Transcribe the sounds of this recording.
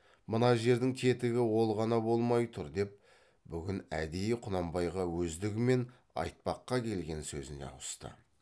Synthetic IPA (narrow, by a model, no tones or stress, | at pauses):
mənɑʒe̞ɾd̪ɪŋk̪ʲʰe̞t̪ɪɡʲɪwo̞lˠʁɑnɑbo̞lˠmɑjt̪ʰʊɾd̪e̞p̚ | bʏɡʲɪnæ̰d̪e̞jɪqʰʊnɑmbɑjʁɑwɵzd̪ɪɡʲɪme̞n | ɑ̰jt̪̚pɑqːɑkʲʰe̞lɡʲe̞nsɵzɪne̞̰ɑ̰wəst̪ə̰